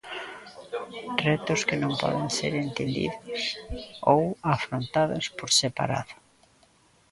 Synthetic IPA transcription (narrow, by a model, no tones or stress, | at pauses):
rɛt̪ʊskɪnõmpɔ̰ðeŋseɾent̪end̪ḭðʊsowafɾont̪aðʊspoɾsepa̰ɾa̰ðʊ